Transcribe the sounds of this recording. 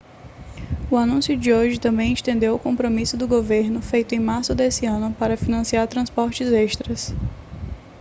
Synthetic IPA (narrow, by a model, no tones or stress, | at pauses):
ʊanũsjʊd͡ʒɪoɾʒɪt̪ɐ̃mbẽj̃ɪʃt̪ẽnd̪ewʊkõmpɾomisʊd̪ʊɡoveɾnʊfejt̪ʊẽj̃maɾsʊd̪esɪɐ̃nʊpaɾɐfinɐ̃siaɾt̪ɾɐ̃spɔɾt͡ʃɪzɛʃt̪ɾɐs